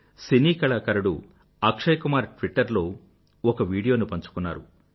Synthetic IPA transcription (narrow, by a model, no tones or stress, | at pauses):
siniːkɐɭaːkɐɾuɽṵ | ɐkʂɐjkumaːɾʈʋiʈːɐɾlo̞ː | ɔkɐʋiːɽijo̞ːnupɐɲt͡ʃu̥kunːa̰ːɾu